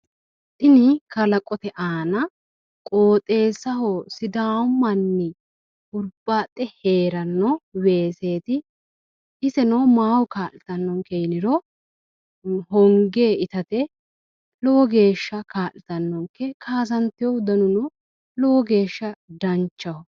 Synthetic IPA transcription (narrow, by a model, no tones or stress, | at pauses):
tɪnɪkɐlɐkʼɔt̪ɛʔaːnɐ | kʼoːt̪ʼe̞ːsɐhosɪd̪aːmːɐnːɪ | ʔʊɾbːaːt̪ʼːɛheːɾɐnːɔweːse̞ːt̪ɪ | ɪsɛnɔmaːwɔkaːʔɪt̪ɐnːɔŋkejnɪɾɔ | ɦɔŋɡeːɪt̪ɐt̪ɛ | lɔwɔɡe̞ːʃːɐkʰaːlɪt̪ɐnːɔŋkːɛkʰaːsɐnt̪ɪjɔwd̪ɐnʊnɔ | lɔwɔɡe̞ːʃːɐd̪ɐnt͡ʃːɐhɔ